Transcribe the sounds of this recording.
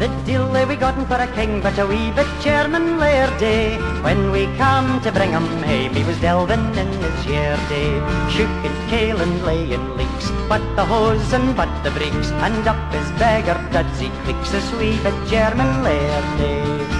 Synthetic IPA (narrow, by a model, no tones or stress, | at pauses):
ðɨd̥ilˠðəwiɡɑɾn̩fə˞ɨkʰɪ̃ŋbʌɾəwivɨt̚d̥ʒ̥ɛɹmə̃nlɛɹdewɨ̃nwikʰʌ̃mtʰɨbɹɪ̃ŋə̃mhẽɪmiwʌzdɛlˠvɨ̃nɪ̃nɪsjɛɹdeʃʉkɨ̃nkʰeɪlˠə̃nleɪɨ̃nliksb̥ʌt̪̚ðəɦozə̃nbʌt̪̚ðɨbɹiksə̃ndʌp̚ɨzbɛɡə˞ɡ̥ʌdz̥ikʰl̥ɪksɨswivɨt̚d̥ʒ̥ɛɹmɨ̃nlɛɹde